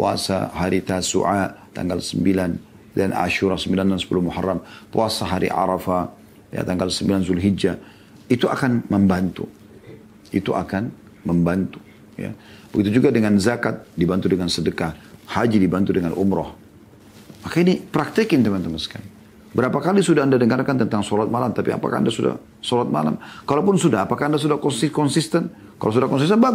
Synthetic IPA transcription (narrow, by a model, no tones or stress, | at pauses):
pua̰sa̰ɦaɾit̪asṵʕat̪a̰ŋɡalsəmbilan | dana̰ʃuɾɔhsəmbilandansə̥pulʊhmuharːampuasaɦaɾḭʕa̰ɾafa | ja̰t̪aŋɡalsəmbilanzulɦid͡ʒa | it̪uʔa̰kanməmbant̪u | it̪uʔa̰kan | məmbant̪u̥ | ja̰bəɡit̪ud͡ʒuɡadəŋanzakat̪̚dibant̪udəŋansədəkahhad͡ʒidibant̪udəŋanʔṵmɾɔ̰h | makainipɾak̚t̪ikɪnt̪əmant̪əməska̰n | bəɾapakalisudahandadəŋarkant̪ənt̪aŋsɔlat̪̚malamt̪apia̰pa̰kaa̰ndasuda̰h | solat̪̚ma̰la̰mkalapʊnsudaɦapakaandas̬udahkɔnsikɔnsist̪ən | kalaws̬udahkɔnsist̪ənba